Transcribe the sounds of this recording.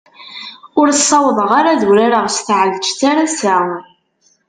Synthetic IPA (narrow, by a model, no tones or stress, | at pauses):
ʊɾsˤːɑwðˤəʁaɾaðuɾaɾəʁsθʕəlt͡ʃθaɾasæ